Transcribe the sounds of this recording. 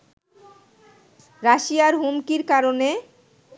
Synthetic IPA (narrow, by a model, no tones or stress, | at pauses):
ɾaʃijaɾɦumkiɾkaɾone